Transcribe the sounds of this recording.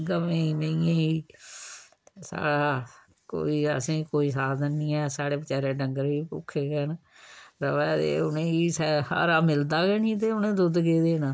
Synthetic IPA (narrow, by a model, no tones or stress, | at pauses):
ɡəmẽːiːneijẽːiː | sa̰ːɽaː | ko̰ːiːə̰sẽːkoːiːsaːd̪ənːĩːɛːsaːɽeːbət͡ʃaːɾeːɖəŋɡəɾʋiːpʊ̰kʰːeːɡɛːn | ɾəʋɛːt̪ḛːʊnẽːiːsɛha̰ːɾaːmɪld̪aːɡɛːniːt̪̬eːʊnẽːd̪ʊd̪ɡeːd̪eːnaː